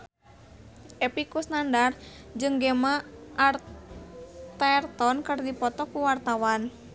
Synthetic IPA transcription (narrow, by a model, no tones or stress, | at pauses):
ʔepikusnandar | d͡ʒɨŋɡemaːr | t̪ɛrt̪ɔnkɨrdipɔt̪ɔkuwart̪awan